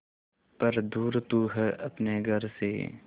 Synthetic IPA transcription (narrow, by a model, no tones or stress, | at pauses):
pɐɾd̪uːɾt̪uːɦɛɐpneɡʱɐɾsḛː